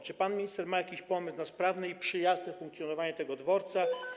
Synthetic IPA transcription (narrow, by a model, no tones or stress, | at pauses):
t͡ʂɘpanmʲiɲist̪ɛɾmajakʲiɕpɔmɘsnaspɾavnɘipʂɘjaznɛfuŋkt̪sʲjɔnɔvaɲɛt̪ɛɡɔd̪vɔɾt̪sa